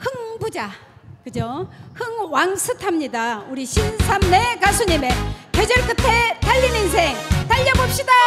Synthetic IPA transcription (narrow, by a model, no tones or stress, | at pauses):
hɯŋbud͡ʑa | kɯd͡ʑohɯŋwaŋsʰɯtʰamɲidauɾiɕʰinsʰamne̞kasʰuɲime̞ked͡ʑʌɭk͈ɯtʰe̞taʎːineŋsʰeŋtaʎːʌbop̚ɕ͈ida